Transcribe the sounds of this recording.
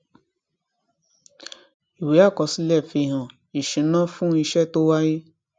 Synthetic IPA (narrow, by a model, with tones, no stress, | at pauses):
i˨we˨˦a˦˨kɔ̃˧˦si˦lɛ˦˨fi˧˨ɦã˨ | i˨ʃĩ˨˦nã˦fũ˦i˧ʃɛ˦˨to˦wa˦ji˦